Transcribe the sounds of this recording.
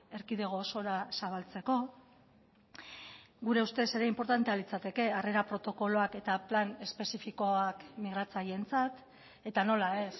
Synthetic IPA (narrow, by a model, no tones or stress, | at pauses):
e̞ɾkiðe̞ɣ̞o̞so̞ɾasaβ̞alt͡se̞ko̞ | ɡuɾe̞ust̪e̞se̞ɾeimpo̞ɾt̪ant̪e̞alit͡sat̪e̞ke̞are̞ɾapɾo̞t̪o̞ko̞lo̞ake̞t̪aplane̞spe̞sifiko̞akmiɣ̞ɾat͡saje̞nt͡sat̪ | e̞t̪ano̞lae̞s